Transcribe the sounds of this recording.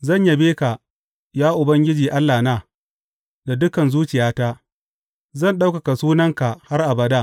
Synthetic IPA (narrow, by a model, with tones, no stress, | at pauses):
zɐ˦˨ɲja˦beː˦ka˨ | jaː˦ʔʊ˨bɐ˦ŋɡʲɪ˦d͡ʒiː˨ʔa˦lːaː˨naː˦ | da˨dʊ˦kɐ˨nzuː˦t͡ʃɪ˨jaː˦taː˦ | zɐ˦˨nɗa˦wka˨ka˨suː˦nɐ˦ŋka˨ha˦rʔa˨bɐ˨da˦˨